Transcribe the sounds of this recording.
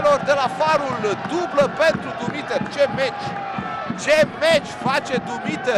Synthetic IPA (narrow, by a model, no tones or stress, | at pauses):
lo̞rd̪e̞lafaɾuld̪ubləpe̞nt̪ɾud̪umit̪ert͡ʃe̞met͡ʃʲ | t͡ʃemet͡ʃʲfat͡ʃe̞d̪umit̪e